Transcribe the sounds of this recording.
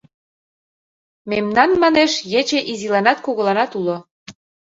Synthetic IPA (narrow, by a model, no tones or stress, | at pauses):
memnɑnmɑneʃjet͡ɕeʔizilɑnɑt̪koɣŏlɑnɑt̪ulo